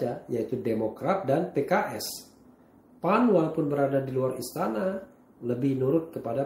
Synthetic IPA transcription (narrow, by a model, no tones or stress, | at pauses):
ajait̪udemokɾat̪̚danpekaʔɛs | panwalapʊnbəɾadadiluarist̪ana | ləbɪhnuɾʊt̪̚kəpada